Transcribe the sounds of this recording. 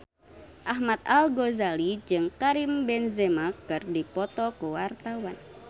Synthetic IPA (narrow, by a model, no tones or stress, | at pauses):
ʔaɦmat̪̚alɡozalid͡ʒɨŋkaɾimbɛnzɛmakɨrdipɔt̪ɔkuwart̪awan